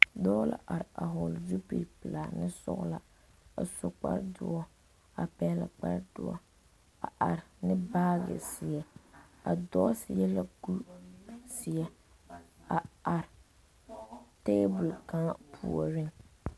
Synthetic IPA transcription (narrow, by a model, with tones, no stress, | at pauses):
dɔː˦la̰˨ʔa˨ɾa˨ɦɔ˨lzu˦pi˨pɨ˨la˨nɪ˦sʊ̰˦ɣla˦ | a̰˨sʊ˨k͡pa̰˦ɾdʊ˦ɔ˦ | a˨pɛ˨˦la˨k͡pa˦ɾd̥ʊ˨˦ɔ̰˦ | a̰˨ʔa˨ɾɪ˨nɪ˦baː˦ɡɪ̰˨sɪ˨ɛ˦a˨dɔ˦sɪ˨jɛ˦la˦ɡu˦sɪ˨ɛ˦ | a˨a˨ɾɪ˨ | te˦bʊ˨lka˦ŋ˦pʰu˨ɔ˨ɾɪ˦ŋ